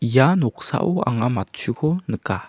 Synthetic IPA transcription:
janok̚sa̰ʔua̰ŋamatt͡ʃʰukʰonəka

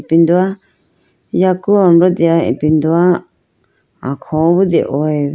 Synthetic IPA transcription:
pind̪ua | jakuãmbɾod̪iaḭ̃pind̪ua | ã̰kʰõβud̪ḭʔoe

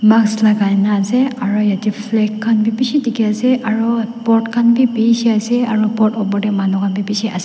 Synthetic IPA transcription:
makslaɡajnaːzɛaɹɔjatipʰlɛkʰːanbibisitikɛasɛʔaɹɔpɔtkʰanbibisɛasɛaɹɔbɔtɔbɔɹdɛmanɔkʰanbibisɛʔasɛ

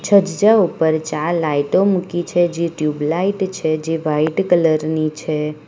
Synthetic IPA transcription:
t͡ʃʰəd͡ʒd͡ʒaupəɾt͡ʃalajʈomũkit͡ʃʰed͡ʒiʈjublaiʈt͡ʃʰed͡ʒeʋaiʈkələɾnit͡ʃʰe

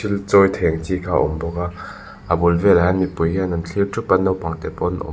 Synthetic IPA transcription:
ilt͡sɔjt̪ʰɛŋt͡sikʰaːʔɔ̰mbɔka | ʔabulvɛlaɦanmipujɡɛnɐnt͡ɬʰiwtʰupɐnːɔwpɐŋt̪ɛpɔnʔɔ̰

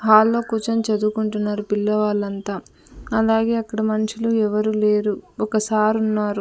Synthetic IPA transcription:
ɦaːlːo̞ːkuːt͡ʃɐmt͡ʃɐd̪ukuɳʈunːaːɾupilːɐʋaːlːɐnt̪aː | ɐlaːɡe̞ːɐkːɐɽɐmɐnɐt͡ʃiluɛʋɐɾuːle̞ːɾuɔkɐsaːɾunːaːɾu

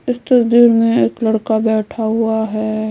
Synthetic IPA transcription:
ɪst̪ɐsd̪iɾmẽeːklɐɽkabɛːʈʰaɦʊaɦɛ

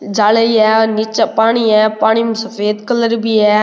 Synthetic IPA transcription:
d͡ʒaːləiɛːnɪt͡ʃpaːɽ̃iɛːpaːɽ̃imsɐfeːd̪kələɾbiɛː

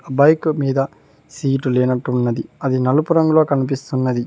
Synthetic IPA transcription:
bɐjkmiːd̪ɐ | siːʈuleːnɐʈːunːɐd̪iɐd̪inɐlupuɾɐŋɡuloːkɐnip̬ist̪unːɐd̪i

